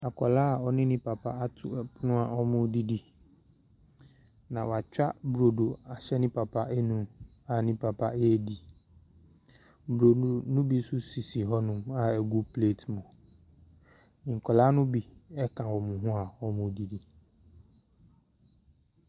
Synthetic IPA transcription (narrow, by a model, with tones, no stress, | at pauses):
a˨kʰɔ˨laː˦˨ɔ˦nɪ̃˦nɪ̃˦pʰa˨pʰa˦a˦tʰʊ̰˦˨pʰʊ˦nʊ̃˦a˨ɔ˦mʊ̃˦di˦di˦ | nã˨wa˨t͡ɕᶣa̰˦bɾo˨do˨a˨ɕɛ˦nɪ̃˦pʰa˨pʰa˦ʔɛ˦nũ˦m | a˨nɪ̃˦pʰa˨pʰa˦ɛ˦˨di˨ | bɾo˨nʊ̃˦bi˦sʊ˦si˨si˨ɦɔ˦nʊ̃˨ma˨ɛ˨ɡu˦pʰleː˦˨tmʊ̃˨ | nɪ̃˨ŋ̩˨kʰɔ˨laː˦nʊ̃˦bi˦ɛ˦kʰã˨wɔ˨mʊ̃˨ɦʊ̃˦a˨ɔ˦mʊ̃˨di˨di˨